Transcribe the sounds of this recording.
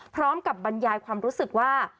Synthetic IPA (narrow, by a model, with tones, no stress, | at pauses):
pʰɾɔː˦˥mka˨˩p̚ba˧njaː˧jkʰwaː˧mɾuː˦˥sɯ˨˩k̚waː˥˩